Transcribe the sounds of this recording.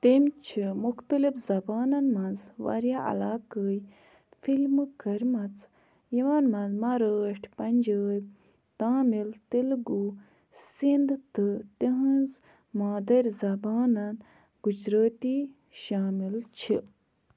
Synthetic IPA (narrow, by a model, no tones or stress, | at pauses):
t̪emʲt͡ʃʰimuxt̪əlifzɐbaːnɐnmɐnzʋa̰ɾjaʔɐ̰laːkəːj | fʰilmkɐɾʲmɐt͡sʰ | jiʋɐnmɐ̃nzmɐɾəːʈʲʰpɐnʲd͡ʒəːj | t̪aːmilt̪ilɡu | sind̪t̪ɨt̪iɦɐnz | maːd̪ɐɾʲzɐbaːnɐn | ɡud͡ʒɾəːt̪iː | ʃaːmilt͡ʃʰi